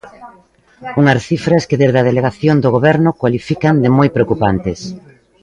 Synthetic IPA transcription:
uŋasθifɾaskɪðezðɐðeleɣaθjond̪oɣ̞oβɛɾnʊkwalifikand̪ɪmojpɾeokupant̪ɪs

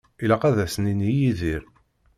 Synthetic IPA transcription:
ilæqæðæsəninijiðiɾ

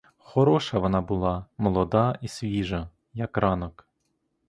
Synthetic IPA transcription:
xɔɾɔʃɐʋɔnɑbʊlˠɑmɔlˠɔd̪ɑisʲʋʲiʒɐ | jɐkrɑnɔk

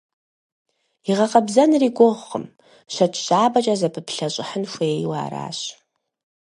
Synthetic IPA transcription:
iʁɐqɐbzɐnriːɡʷʊʁʷχə̰m | ʃʷɐtʰɕaːbɐt͡ʃʼɐzɐpʰɨpʰɬɐɕʼɪħənʃʷeejwa̰ːɾa̰ːɕ

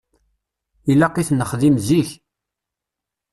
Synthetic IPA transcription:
ilːaqiθnəχðimziç

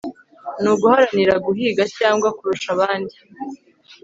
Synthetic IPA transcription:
nuːɡuhaɾaniɾaɡuɦiːɡacaːŋɡwakuɾuʃaβaːndi

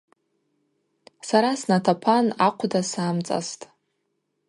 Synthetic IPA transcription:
saɾasnatʰapʰanaqʷʰdasaːmt͡sʼa̰stʼ

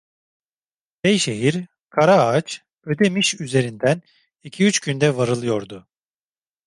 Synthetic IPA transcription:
bejʃe̞ɦiɾ | kʰaɾaat͡ʃ | ø̞d̪e̞miʃyze̞ɾind̪æn | icʰiyt͡ʃcynd̪ɛvaɾɯlˠɯjo̞ɾd̪ʊ

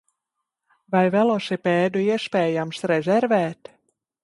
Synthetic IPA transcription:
vajvɛlˠɔʃipɛːd̪uiɛspʲɛːjamsɾɛzʲɛɾvɛːt̪

